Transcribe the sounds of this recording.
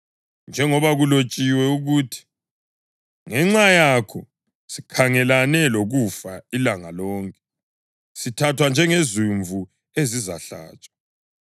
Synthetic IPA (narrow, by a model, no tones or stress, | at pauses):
nd͡ʒʱɛŋɔβaɣulot͡ʃʼiwɛuɣuːtʰi̥ | ŋɛŋ͡ǁajakʰɔ | si̥kʰaŋɛlanɛloɣufailaŋalɔːŋkʼɛ | sitʰatʰwand͡ʒʱɛŋezuɱvʱu | eziza̰ɬa̰ːt͡ʃʼḁ